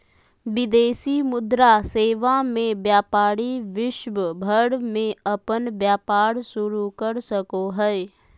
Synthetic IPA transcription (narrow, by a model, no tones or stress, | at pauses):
ʋɪd̪eːsimʊd̪ɾaseːʋamẽbjaːpaːɾiʋɪʃʋəbʱəɽmẽɐpənbjaːpaːɾsʊɾukəɾsəkoɦɛ